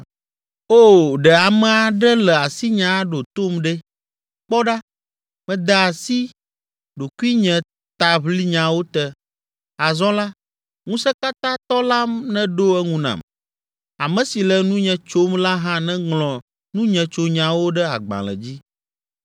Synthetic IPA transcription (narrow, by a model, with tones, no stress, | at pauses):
o˦ɖɛ˨a˨mɛ̃˨a˨ɖɛ˦lɛ˨a˨si˦ɲã˨˦ɖo˨t̪o˦mɖɛ˦ | k͡pɔ˦ɖa˦ | mɛ̃˨d̪a˨a˨si˦ | ɖo˨ku˦i˦ɲɛ̃˨ | t̪a˨βli˦ɲã˨wo˦t̪ɛ˦ | a˨zɔ̃˦la˦ | ŋũ˦sɛ˦ka˦t̪ã˦t̪ɔ˦la˦mnɛ̃˦ɖo˦ɛ˦ŋũ˦nã̰˨m | a˨mɛ̃˨si˨lɛ˨nũ˦ɲɛ̃˨t͡ʃo˦mla˦ɦã˦nɛ̃˦ŋlɔ̃˨ | nũ˦ɲɛ̃˨t͡ʃo˨ɲã˨wo˦ɖɛ˦a̰˨ɡ͡bã̰˨lɛ̰˨d͡ʑi˦